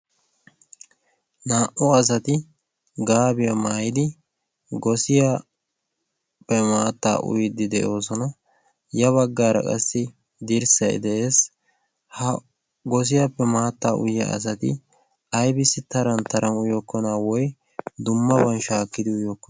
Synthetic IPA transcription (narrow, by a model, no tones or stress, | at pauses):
naːʔʊɐs̬ɐt̪ɪ | ɡaːbɪjɐmaːjɪd̪ɪ | ɡɔsɪja | pːɛmaːt̪ːa̰ːʔʊ̰jɪd̪ːɪd̪ɛʔo̞ːsɔnɐ | jɐβɐɡːaːɾɐ̰kʼɐ̰sːɪ | d̪ɪɾsɐɪ̰d̪ɛʔe̞ːs | hɐ | ɡɔs̬ɪjɐpːɛmaːt̪ːaːʔʊ̰jːɐ̰ʔɐ̰s̬ɐt̪ɪ̰ | ɐjbɪsːɪt̪ɐɾɐnt̪ɐɾɐnʊjɔkːɔnaːwɔj | d̪ʊmːɐbɐnʃaːkːɪd̪ɪʊjokːɔ